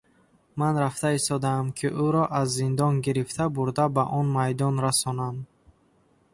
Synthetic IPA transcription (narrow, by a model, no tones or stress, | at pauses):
manɾaft̪aist̪ɔd̪aːmkʰiʔuɾɔʔazːind̪ɔnɡiɾift̪ʰabuɾd̪abaʔɔnmajd̪ɔnɾasɔnam